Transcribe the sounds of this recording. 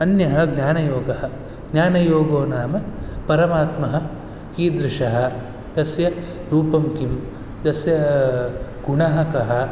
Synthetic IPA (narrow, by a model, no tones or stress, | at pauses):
ɐnjɐɦɐɡnʲaːnɐjoːɡɐɦɐ̆ | ɡnʲjaːnɐjoːɡoːnaːmɐpɐɾɐmaːt̪mɐɦɐ̆ | kiːd̪ɾɪʂɐɦɐ̆ | d̪ɐsjɐ | ɾuːpɐmkim | d̪ɐsjɐ | ɡ̥uɳɐɦɐkɐɦɐ̆